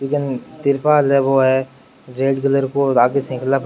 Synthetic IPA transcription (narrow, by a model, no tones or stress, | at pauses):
lɪkɪnt̪ɪɾpaːlɦɛʋoɦɛ | d͡ʒeːɖkɪləɾkoaːɡesẽklap